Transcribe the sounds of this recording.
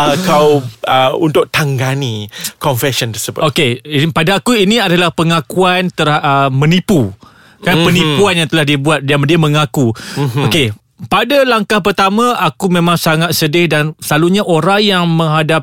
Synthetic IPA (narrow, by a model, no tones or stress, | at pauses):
akawəunt̪ʊk̚t̪aŋɡanikɔnfɛsənt̪əsəbʊ̰okeipadaːkuinĩadalahpəŋakuant̪ərʔəmə̃nipu | kanpənipuanjaŋt̪əlahdibuat̪̚damdiamə̃ŋakuoke | padalaŋkahpərt̪amãakumẽmãŋsaŋat̪̚sədɪhdansəlaluɲaʔoɾaŋjaŋmə̃ŋɦadap̚